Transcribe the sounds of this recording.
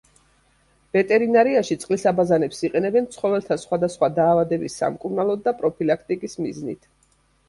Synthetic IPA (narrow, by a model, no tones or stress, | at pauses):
vɛt̪ʼɛɾinaɾiaʃit̪sʼqʼlisabazanɛpsiqʼɛnɛbɛnt̪sʰχɔvɛlˠt̪ʰasχwad̪asχwad̪aːvad̪ɛbisːa̰mkʼuɾnalˠɔd̪ːapʼɾɔpʰilakʰt̪ʼikʼismiznḭt̪ʰ